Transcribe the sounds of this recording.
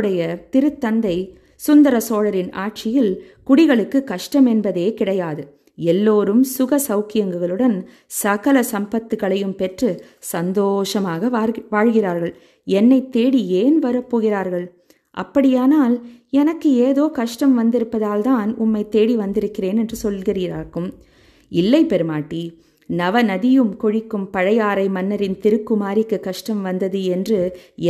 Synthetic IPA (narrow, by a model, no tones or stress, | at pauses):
ɽɐjɐt̪ɪɾɯt̪ːɐnd̪ɐɪ | sʊnd̪ɐɾɐsoːɻɐɾɪna̰ːʈ̚t͡ʃɪjɪl | kʊɽɪɣɐɭɯkːɯkɐʂʈɐmɛnbɐðeːkɪɽɐjaːðɯ | ɛlːoːɾɯmsʊɣɐsɐʊkɪjɐŋɡɯɣɐɭɯɽɐn | sɐɣɐlɐsɐmbɐt̪ːɯɣɐɭɐjɯmpɛʈrɯ | sɐnd̪oːʂɐmaːɣɐʋaːɻɣɪraːɾɣɐɭ | ɛnːɐɪt̪ːeːɽieːnʋɐɾɐpːoːɣɪraːɾɣɐɭ | ʔɐ̰pːɐɽɪjaːnaːlɛnɐkːɯeːðoːkɐʂʈɐmʋɐnd̪ɪɾɯpːɐðaːlt̪aːnʊmːɐɪt̪eːɽiʋɐnd̪ɪɾɯkːɪreːnɛndrɯsɔlɣɪɾɯɾaːɾkɯm | ɪlːɐɪpːɛɾɯmaːʈːi | nɐʋɐnɐðɪjɯmkɔɻɪkːɯmpɐɻɐjaːɾɐɪmɐnːɐɾɪnt̪ɪɾɯkːɯmaːɾɪkːɯkɐʂʈɐmʋɐnd̪ɐðɯɛndrɯ